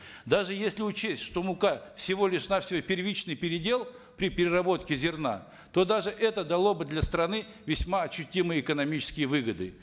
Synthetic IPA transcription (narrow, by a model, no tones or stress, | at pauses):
d̪aʐɨjesʲlʲɪʊt͡ɕesʲtʲʂt̪o̞mʊkafsʲɪvo̞lʲɪʂnafsʲvojpʲɪrvʲit͡ɕnɨjpʲɪɾʲɪdʲe̞lˠ | pɾʲɪpʲɪɾʲɪrɐbo̞t̪kʲɪzʲɪrna̰ | t̪o̞d̪aʐɨʔɛt̪əd̪ɐlˠo̞bɨd̪lʲɐst̪ɾɐnɨ | vʲɪsʲmaɐɕːʊtʲimɨjəɪkənɐmʲit͡ɕɪ̥skʲɪjəvɨɡəd̪ɨ